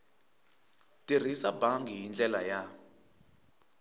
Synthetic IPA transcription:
tʼir̤isabaŋɡiɦind͡ɮɛlaja

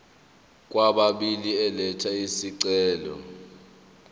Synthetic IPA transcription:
k̬ʼwaɓaɓiliɛlɛtʰaisiǀɛːlɔ̰

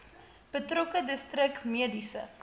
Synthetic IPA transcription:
b̥ətrokədəstrəkmiədisə̰

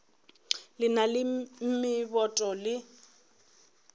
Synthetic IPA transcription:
lɪnalɪm̩mɪbɔtʼɔlɪ

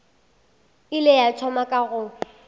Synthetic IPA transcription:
ɪlɪjat͡ʃʰɔmakʼaɣʊ

